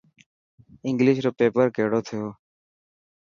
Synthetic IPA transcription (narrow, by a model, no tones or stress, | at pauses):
ɪŋɡlɪʃɾoːpeːpəɾkeːɽoːt̪ʰɪjoː